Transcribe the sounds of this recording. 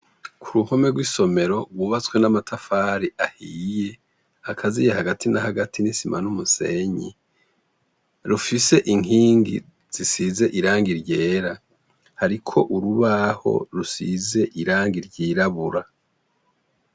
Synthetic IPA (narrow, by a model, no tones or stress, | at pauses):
kʰuɾuho̞me̞ɡwiːso̞me̞ɾo̞ɡwuːβat͡swe̞namatʰafaːɾiʔahiːje̞ | akʰazijehaɡatʰinahaɡatʰinisima̰numuse̞ɲḭ | ɾufise̞ʔiŋiːŋɡḭ | z̥isize̞ʔiɾaːŋɡiɾɟe̞ːɾa | haɾikʰo̞ʔuɾuβaho̞̰ɾusḭze̞ʔiɾaːŋɡiɾɟiːɾaβuɾa